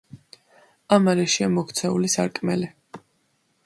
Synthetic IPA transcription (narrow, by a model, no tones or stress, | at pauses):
amaɾɛʃiamɔkʰt̪sʰɛulisa̰ɾkʼmɛli